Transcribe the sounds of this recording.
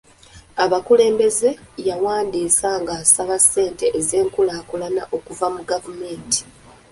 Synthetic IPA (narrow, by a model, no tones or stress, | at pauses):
aβakule̞ːmbe̞ze̞jawaːndiːsaŋɡasaβase̞ːnte̞ʔːze̞ːŋkulaːkulanaʔo̞kuvamuɡavume̞ːnti̥